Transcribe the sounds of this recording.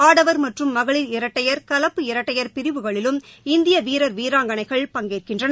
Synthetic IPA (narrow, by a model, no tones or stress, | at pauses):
aːɽɐʋɐɾmɐʈrɯmːɐɣɐɭɪlɪɾɐʈːɐjɐɾkɐlɐpːɯɪɾɐʈːɐjɐɾpɪɾɪʋɯɣɐɭɪlɯmɪnd̪ɪjɐʋiːɾɐɾʋiːɾaːŋɡɐnɐɪɣɐɭpɐŋɡeːrkɪndrɐn